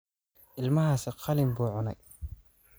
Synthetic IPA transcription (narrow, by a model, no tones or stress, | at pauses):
ʔɪlmɐɦaːsɪqʰɑlɪmbuːʕʊnɛj